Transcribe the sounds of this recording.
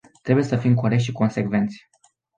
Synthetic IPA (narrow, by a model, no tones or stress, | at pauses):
t̪ɾe̞bujesəfimkoɾek̚t̪ʃiko̞nse̞kve̞nt̪sʲ